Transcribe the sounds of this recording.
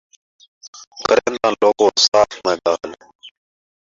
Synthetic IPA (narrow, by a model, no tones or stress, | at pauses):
kəɾẽːnd̪ãːloːkoːsaːfmẽːɠaːəl